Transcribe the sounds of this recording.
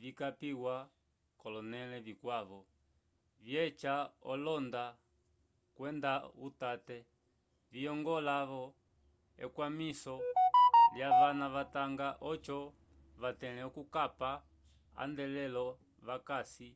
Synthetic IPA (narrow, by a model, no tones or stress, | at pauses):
vikapiwa | kɔlɔnɛlɛvikwaβɔ | vjɛt͡ʃaɔlɔnda | kwɛndautatɛ | viɔŋɡɔlaβɔ | ɛ̰kwamisɔ | ljaβanaβataŋɡaʔɔt͡ʃɔ | βatɛlɛɔkukapa | a̰ndɛlɛlɔ | βakasi